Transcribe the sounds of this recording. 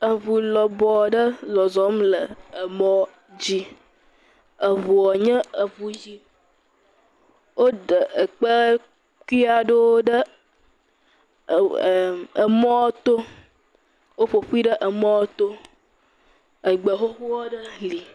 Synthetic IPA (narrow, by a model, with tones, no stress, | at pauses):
ə˨vu˨lɔ˨bɔ˨˦ɖə˦zɔ˨zɔ˨˦mlə˨ə˨mɔ̃˦ | d͡ʑi˦ | ə˨vu˨ɔ˨ɲə̃˦ə˨vu˨d͡ʑi˦ | wo˦ɖə˨ʔə˨k͡pə˦ | ku˦i˦a˦ɖo˦wo˦ɖə˦˨ | ə˨mɔ̃˦wt̪o˦ | wo˦ɸo˨ɸu˦i˦ɖə˦ʔə˨mɔ̃˦wo˦t̪o˦ | ə˨ɡ͡bə˨ɦo˦ɸu˦wɔ˦ɖə˦li˨